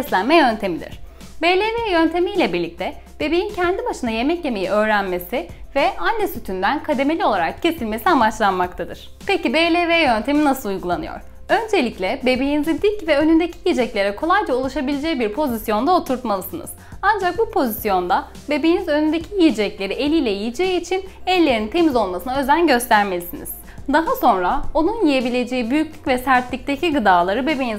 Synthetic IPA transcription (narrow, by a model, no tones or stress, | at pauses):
ɛslʲænmɛjø̞nt̪ʰe̞mid̪ḭɾ̝̥ | belʲeveːjø̞nt̪ʰe̞mijlʲɛbiɾlʲic̚t̪ʰɛ | b̥e̞bejincʰɛnd̪ibaʃɯnaje̞mɛcje̞me̞jiʔø̞ːɾænme̞sɪvɛanːɛsyt̪ʰynd̪ænkʰad̪e̞me̞lʲio̞lˠaɾakcʰe̞silʲme̞siamat͡ʃlˠanmak̚t̪ʰad̪ɯ̰ɾ̥ | pecibelʲeveɛjø̞nt̪ʰe̞minasɯlˠujɡulˠanɯjo̞̰ɾ | ø̞nd͡ʒe̞lʲiclʲɛbe̞be̞jinizid̪icvɛønynd̪e̞cʰijijid͡ʒɛclʲe̞ɾɛkʰo̞lˠajd͡ʒaulˠuʃabilʲed͡ʒɛcbiɾpʰo̞zisjo̞nd̪ao̞t̪ʰuɾt̪malˠɯsɯnɯ̰z̥and͡ʒak̚bupʰo̞zisjo̞nd̪a | be̞be̞jinizø̞nynd̪ecʰijijd͡ʒɛclʲe̞ɾielʲiːlʲɛjijid͡ʒeiːt͡ʃʰinɛlʲːe̞ɾint̪ʰe̞mizo̞lˠmasɯnaø̞zænɟø̞st̪ʰæɾme̞lʲisiniz̥ | d̪aɦaso̞nɾao̞nunjije̞bilʲe̞d͡ʒe̞jibyjycʲlʲycvɛsæɾt̪lʲic̚t̪ecʰiɡɯd̪aːlˠaɾɯbe̞be̞jin